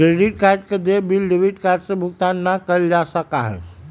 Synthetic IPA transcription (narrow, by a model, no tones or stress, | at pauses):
kɾeɖiʈkaɾɖked̪ebilɖebiʈkaɾɖsẽbʱʊɡt̪anːəkəld͡ʒasəkaɦɛ̰